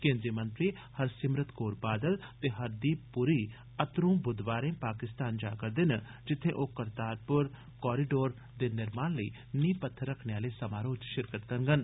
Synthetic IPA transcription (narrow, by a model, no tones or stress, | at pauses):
kẽːnd̪ɾiəmə̃nt̪ɾiː | hɐɾsɪmɾət̪koːɾbaːd̪əlt̪eːɦɐɾd̪iːpʊɾiː | ɐt̪ɾũːbʊd̪ʋaːɾẽːpaːkɪst̪aːnd͡ʒaːkəɾd̪ɪn | d͡ʒɪt̪ʰːẽʔoːkəɾt̪aːɾpʊɾ | kɔːɾiɖoːɾ | d̪eːnɪɾmaːnləiː | niːpət̪ʰːəɾɐkʰneaːlesɐmaːɾoːd͡ʒʃɪɾkət̪̚kənɡən